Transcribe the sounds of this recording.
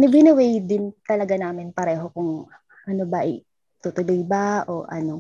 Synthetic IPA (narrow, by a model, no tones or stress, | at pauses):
nɪbɪnɪwɛjd̪ɪnt̪ɐlɐɡanaːmɪnpɐɾɛːɦo̞kʊŋ | ʔɐnobɐʔɐj | t̪ut̪ʊlojbaʔo̞̰ʔɐ̰no̞